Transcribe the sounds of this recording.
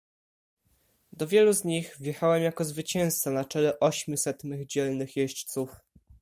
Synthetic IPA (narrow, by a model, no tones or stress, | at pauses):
d̪ɔvʲjɛluzɲiɣvʲjɛxawɛmjakɔzvɘt͡ɕɛ̃w̃st̪sanat͡ʂɛlɛʔɔɕmʲusɛt̪mɘɣd͡ʑɛlnɘxjɛɕt͡ɕt̪suf